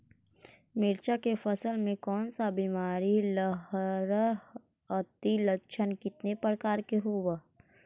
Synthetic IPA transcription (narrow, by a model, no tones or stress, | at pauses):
mɪɾt͡ʃakefəsəlmẽkɔːnsabiːmaːɾiləɦɾ | ət̪iləʃʰənkɪt̪nepɾəkaːɾkeɦoːwa